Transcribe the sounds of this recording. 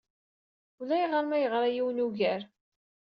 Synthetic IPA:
ulæjʁəɾmæjəʁɾˤajiwnuʝæɾ

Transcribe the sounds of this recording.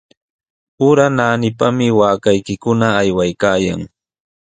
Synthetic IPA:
ʊɾanaːnɪpamɪwaːkajkɪkʊnaːjwajkaːja̰ŋ

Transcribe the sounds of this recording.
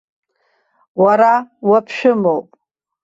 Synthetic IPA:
waɾawapʰʃᶣʊmowpʼ

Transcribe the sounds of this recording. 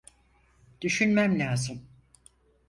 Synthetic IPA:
d̪̥yʃynmæmlʲaːzɯm

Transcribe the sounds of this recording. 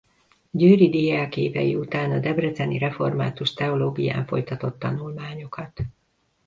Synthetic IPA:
ɟøːɾid̪iːaːkeːvɛ̰jḭut̪aːnɒd̪ɛbrɛzɛniɾɛfo̞rma̰ːt̪uʃt̪ɛo̞loːɡija̰ːɱfo̞̰jt̪ɒt̪o̞t̪ːɒnulmaːɲo̞kɒt̪

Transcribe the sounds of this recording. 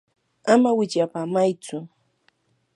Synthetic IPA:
amawɪt͡ʃjapaːmajt͡sʊ

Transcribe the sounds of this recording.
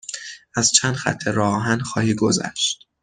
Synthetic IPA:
ʔæzt͡ʃʰænd̪xæ̰t̪ʰːeɾɒːɦænxɒːhiːɡozæ̰ʃt̪̚

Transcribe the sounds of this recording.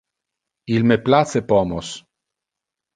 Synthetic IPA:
ilmeplat͡sepɔmos

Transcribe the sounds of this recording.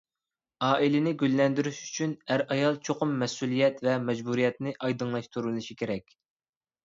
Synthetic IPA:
ɑːʔilɪnɪɡʲylːɛnd̪yɾyʃy̥t͡ʃʰynæɾɑjɑlˠt͡ʃʰoqʊmːɛsulˠijɛt̪vɛmɛd͡ʒbuɾijɛt̪nɪʔɑjd̪əŋlˠɑʃt̪ʰuɾulnɨʃikʲʰeɾɛkʲ

